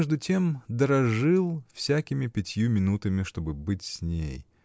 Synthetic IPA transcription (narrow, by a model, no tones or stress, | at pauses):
ʐd̪ʊtʲe̞md̪əɾɐʐɨlˠfsʲækʲɪmʲɪpʲɪtʲjumʲɪnut̪ɨmʲɪʂt̪o̞bɨbɨtʲsʲnʲḛj